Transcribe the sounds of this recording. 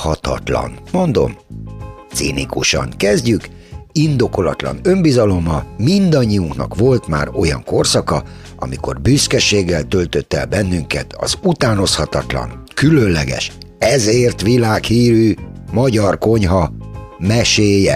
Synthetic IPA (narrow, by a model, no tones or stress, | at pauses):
hɒt̪ɒ̰t̪lɒ̰nmo̞nd̪o̞̰m | t̪sḭnḭkuʃɒ̰ŋkɛzɟykind̪o̞ko̞lɒt̪lɒ̰nø̞mbizɒlo̞mɒmind̪ɒɲːijuŋknɒ̰kʋo̞lt̪ma̰ːro̞jɒ̰ŋko̞rsɒkɒ | ʔɒ̰miko̞̰rbyskɛʃeːɡːɛlt̪ølt̪øt̪ːɛ̰lbɛnːyŋkɛt̪ɒ̰zut̪aːno̞shɒt̪ɒt̪lɒ̰nkylø̞nlɛɡɛ̰ʃ | ɛzeːrt̪ʋilaːkhiːɾymɒɟɒrko̞ɲɦɒmɛʃeːjɛ̰